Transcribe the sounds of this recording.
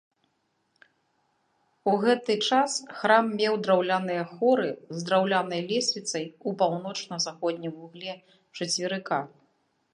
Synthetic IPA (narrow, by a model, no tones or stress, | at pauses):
uɣɛt̪ɨt͡ʂasxɾamːʲɛwd̪ɾawlʲanɨjɐxɔɾɨzd̪ɾawlʲanɐjlʲɛsʲvʲit̪sɐjupawnɔt͡ʂnɐzaxɔd̪̚ʲnʲimvuɣlʲɛ | t͡ʂɐt͡sʲvʲiɾɨka